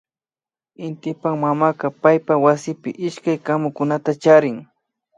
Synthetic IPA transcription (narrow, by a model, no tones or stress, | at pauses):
ɪnt̪ɪpaŋmamaqɑpajpawasɪpɪ̰ʔɪʃkajkamʊkʊnat̪at͡ʃaɾɪŋ